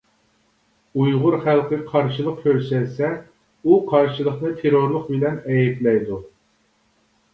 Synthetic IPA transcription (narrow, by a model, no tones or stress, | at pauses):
ujʁʊɾχælˠqʰəqʰɑɾʃɨlˠəq̚kʲʰøɾsɛlsɛ | uqʰɑɾʃɨlˠəχnɨt̪ʰeɾoɾlˠʊqbɪlɛnɛjɛplɛjd̪u